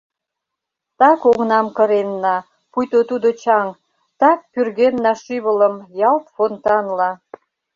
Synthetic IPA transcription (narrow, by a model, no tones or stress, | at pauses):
t̪ɑkoɣnɑmkə̆ɾenːɑ | pujt̪ot̪ud̪ot͡ɕɑŋ | t̪ɑk̚pyrɣenːɑʃiβələmjɑlt̪font̪ɑnlɑ